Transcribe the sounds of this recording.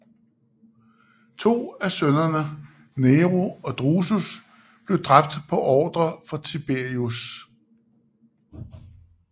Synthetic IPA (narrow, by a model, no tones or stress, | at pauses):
t͡sʰo̝̰ːæsønɐnə | neːʁoɒ̽d̥ʁusus | b̥le̝ʊd̥ʁɑ̈b̥̚d̥pʰɒ̽ʔɒːd̥ʁɐfɑ̈t͡sʰib̥e̝ɐius